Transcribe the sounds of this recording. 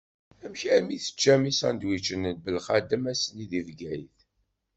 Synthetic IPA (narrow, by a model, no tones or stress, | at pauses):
æmçæmiθə̥t͡ʃːæmisænd̪wit͡ʃːənənbəlχæd̪əmæsəniðivɡæjθ